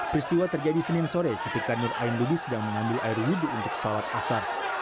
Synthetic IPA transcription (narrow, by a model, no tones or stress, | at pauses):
pɾist̪iwat̪ərd͡ʒadisənɪnsoɾɛkət̪ikanʊrʔa̰ɪnlubɪsədaŋməŋambɪlʔaɪrwiduːnt̪ʊksawat̪̚asar